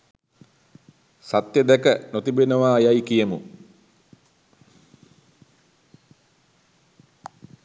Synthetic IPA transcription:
sat̪jəd̪ɛkənot̪ibenəʋaːjajkijəmṵ

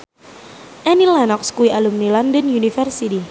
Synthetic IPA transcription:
ʔɛnilanɔkskuiʔalumnilɔndənjunifɛrsiti

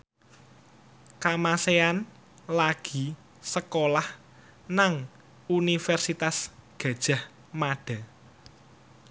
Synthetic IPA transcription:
kamasean | laɡ̥i̤ | səkolah | naŋ | unifɛrsit̪asɡ̥ä̤d̥ʒ̥a̤h | maɖ̥a̤

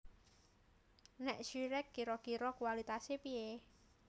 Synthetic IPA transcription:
nɛʔʃiɾɛkːiɾɔkiɾɔkuwalit̪asepie

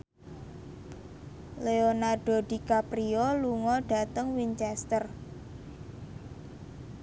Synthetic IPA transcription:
leonarɖ̥o̤d̥ikapɾioluŋɔɖ̥a̤t̪əŋwiɲt͡ʃɛst̪ər

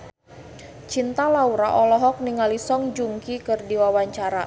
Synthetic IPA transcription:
t͡ʃint̪alauɾaʔɔlɔɦɔk̚niŋalisɔŋd͡ʒuŋkikɨrdiwawaɲt͡ʃaɾa

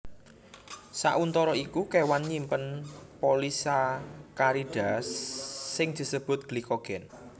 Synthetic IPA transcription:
sa̰ʔunt̪ɔɾɔikukewanɲimpənpolisakaɾiɖ̥a̤sːɪŋd̪̥i̤səb̥ʊ̤t̪̚ɡ̥likoɡ̥ɛn

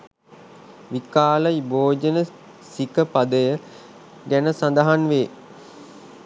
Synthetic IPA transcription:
ʋikaːləiboːd͡ʒənə | sikəpad̪əjə | ɡænəsand̪aɦanʋeː

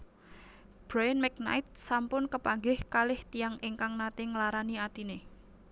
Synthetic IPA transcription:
b̥ɾajənmɛk̚na̰jt̪̚sampʊnkəpaŋɡɪhkalɪht̪ijaŋeŋkaŋnat̪ɪŋlaɾaniat̪ine

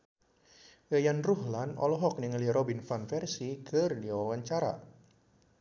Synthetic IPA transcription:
əjanruɦlanɔ̰lɔɦɔk̚niŋliɾɔbinfanfɛrsikərdiwawaɲt͡ʃaɾa̰

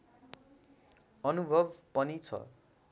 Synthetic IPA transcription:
ʌnubʱʌbpʌnit͡sʰʌ̰

